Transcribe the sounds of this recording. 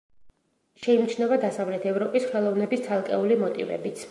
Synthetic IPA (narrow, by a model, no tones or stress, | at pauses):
ʃɛimt͡ʃʰnɛvad̪asavlɛt̪ʰɛvɾɔpʼisχɛlˠɔvnɛbist̪sʰalˠkʼɛulimɔt̪ʼḭvɛ̰bit̪sʰ